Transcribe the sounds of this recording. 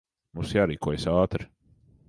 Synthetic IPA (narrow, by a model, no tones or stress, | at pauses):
mũsjaːɾiːkuɔjsaːt̪ɾi